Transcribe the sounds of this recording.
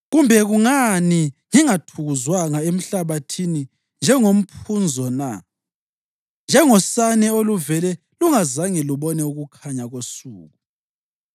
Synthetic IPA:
ɣumbʱɛɣuŋaniŋiŋatʰuɣuzwaŋaem̩ɬaβatʰini | nd͡ʒʱɛŋom̩pʰund͡zʱɔna | nd͡ʒʱɛŋɔsanɛoluvɛlɛ | luŋazaŋɛluβɔnɛuɣukʰaɲaɣosṵːɣu

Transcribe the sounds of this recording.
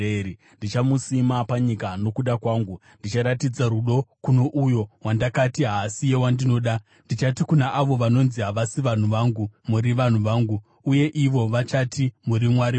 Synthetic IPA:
ei | ndit͡ʃamusimapaɲikano̞kuɗakwaːŋɡundit͡ʃaɾatid͡zaɾuɗo̞kuno̞ʔujo̞wandakatiɦasijewandino̞ːɗa | ndit͡ʃatikunaʔaʋo̞ʋano̞nziɦaʋasiʋan̤uʋaŋɡumuɾiʋan̤uʋaːŋɡu | uje̞ʔiʋo̞ʋat͡ʃatimuɾimwaɾi

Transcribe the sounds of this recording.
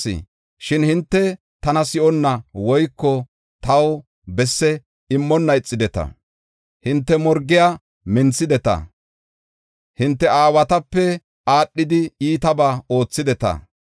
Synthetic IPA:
ɪ̰ | ʃɪnhɪnt̪ːɛ | t̪ɐnɐsɪʔɔnːɐwɔjkːɔ | t̪ɐw | bɛsːɛ | ɪmːɔnːɐɪt͡sʼːɪd̪ɛt̪ɐ̰ | hɪnt̪ːɛmɔɾɡːɪjaː | mɪnt͡sːɪd̪ɛt̪ɐ̰ | hɪnt̪ːɛʔaːwɐt̪ɐpːɛ | aːɗːɪd̪ɪiːt̪ɐbaːo̞ːt͡sːɪd̪ɛt̪ɐ̰

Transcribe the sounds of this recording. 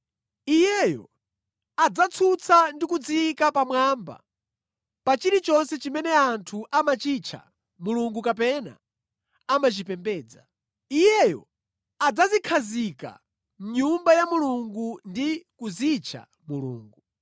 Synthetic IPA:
ijɛjɔ̰ | ad͡zat͡sʰut͡sʰandikud͡zikapamwaːmba̰ | pat͡ʃiɾit͡ʃɔnsɛt͡ʃimɛnɛantʰuʔamat͡ʃit͡ʃʰa̰ | muluŋɡukapɛna̰ | amat͡ʃipɛmbɛːd͡za | ijɛjɔ̰ | ad͡zazikʰazika̰ | m̩ɲumbajamuluŋɡundikuzit͡ʃʰa̰ | mulṵːŋɡu

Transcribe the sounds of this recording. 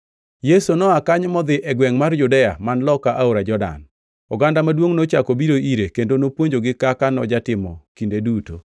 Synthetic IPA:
jesonɔakaɲmɔd̪ɪʔɛɡwɛŋmarjudɛja̰manlɔkaʔaoɾad͡ʒɔda̰n | ɔɡandamadwoŋnot͡ʃakobiɾoiɾekendonopwoɲd͡ʒoɡɪkakanɔd͡ʒatɪmɔ̰kindeduto̰

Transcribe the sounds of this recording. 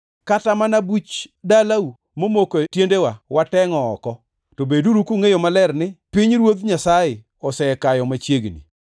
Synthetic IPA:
katamanabut͡ʃdalau | momokotjendewawatɛŋɔːkɔ | tobeduɾukuŋejomalɛrnɪpiɲɾwod̪ɲasajɪ | ɔsɛkajɔmat͡ʃjeɡnḭ

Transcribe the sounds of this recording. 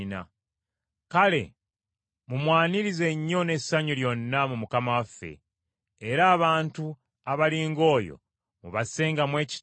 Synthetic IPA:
na̰ | kale̞̰ | mumwaːniɾize̞ɲːo̞ne̞saɲuljo̞nːamumukamawafːḛː | ɾaːβaːntu | aβaliːŋɡo̞ːjo̞̰ | muβase̞ːŋɡamwe̞ːci̥

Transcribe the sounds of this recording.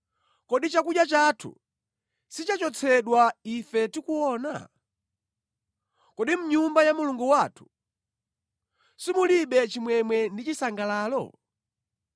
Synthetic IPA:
kɔɗit͡ʃakuɗjat͡ʃatʰṵ | sit͡ʃat͡ʃɔt͡sʰɛɗwaifɛtikuɔna̰ | kɔɗim̩ɲumbajamuluŋɡuwaːtʰu̥ | simuliɓɛt͡ʃimwɛmwɛndit͡ʃisaŋɡalaːlɔ̰

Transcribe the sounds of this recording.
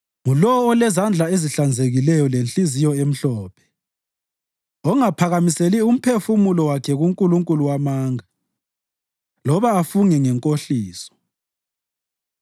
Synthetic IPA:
ŋulɔɔːlɛzand͡ɮʱaeziɬand͡zʱeɣilɛjɔlent͡ɬʼizijɔem̩ɬɔːpʰɛ̥ | ɔŋapʰaɣamiselium̩pʰefumulɔwakʰɛɣuŋkʼuluŋkʼuluwamaːŋa | lɔβaːfuŋɛŋɛŋkʼoɬiːsɔ̥

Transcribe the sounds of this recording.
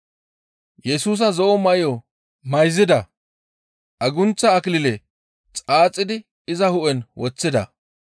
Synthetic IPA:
jɛsuːs̬ɐzɔʔɔmɐɪjɔ | mɐjzɪd̪ɐ | ʔɐɡʊnt͡sːɐːkɪlɪle | t͡sʼaːt͡sʼːɪd̪ɪ | ɪzɐhʊʔɛnwɔt͡sːɪd̪ɐ̰

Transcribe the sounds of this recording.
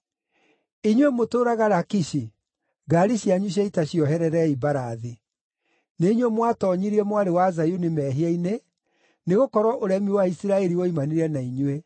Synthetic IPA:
iɲwemotoːɾaɣaɾakiɕi | ɡaːɾiɕjaɲuɕ̬jaitaɕiɔɦɛɾɛɾɛibaɾaði | neiɲwemwatɔɲiɾiɛmwaɾewazajunemɛːɦiaine | neɣokɔɾwɔʔoɾɛmiewaisiɾaɛɾioimaneɾɛnaiɲwe

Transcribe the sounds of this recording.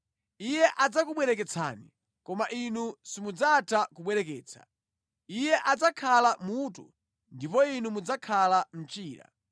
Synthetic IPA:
ijɛʔad͡zakuɓwɛɾɛkɛt͡sʰa̰ːni | kɔmaʔinusimud͡zatʰakuɓwɛɾɛkɛːt͡sʰḁ̰ | ijɛʔad͡zakʰalamuːtṵ | ndipɔinumud͡zakʰalam̩t͡ʃiːɾa̰

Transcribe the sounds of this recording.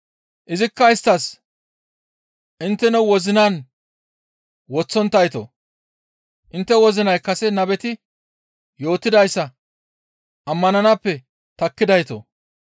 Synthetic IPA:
ʔɪzɪkːɐɪst̪ːɐs | ʔɪnt̪ːɛnɔwɔzɪnaːn | wɔt͡sːɔnt̪ːɐjt̪o̰ | ʔɪnt̪ːɛwɔzɪnɐjkɐsɛnɐbɛt̪ɪ | jo̞ːt̪ːɪd̪ɐjsːɐ | ʔɐmːɐnɐnɐpːɛ | t̪ɐkːɪd̪ɐjt̪o̰

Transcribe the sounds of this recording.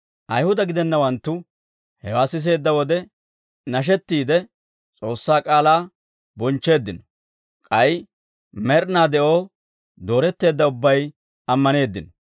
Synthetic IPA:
ʔɐjhʊd̪ɐɡɪd̪ɛnːɐwɐnt̪ːʊ | hɛwaːsɪs̬e̞ːd̪ːɐwɔd̪ɛ | nɐʃ̬ɛt̪ːiːd̪ɛ | t͡sʼo̞ːsːaːkʼaːlaː | bɔnt͡ʃːe̞ːd̪ːɪnɔ̥ | kʼɐj | mɛɾnaːd̪ɛʔo̞ː | d̪o̞ːɾɛt̪ːe̞ːd̪ːɐʊbːɐj | ɐmːɐne̞ːd̪ːɪnɔ

